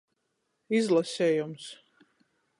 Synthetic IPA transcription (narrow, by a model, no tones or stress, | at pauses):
izlˠasʲɛːjums